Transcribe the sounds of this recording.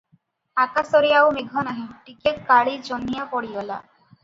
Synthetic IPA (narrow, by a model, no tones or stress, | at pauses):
akasɔɾiawmeɡʱɔnaɦiʈikekːaɭid͡ʒɔnːijapɔɽijɔla̰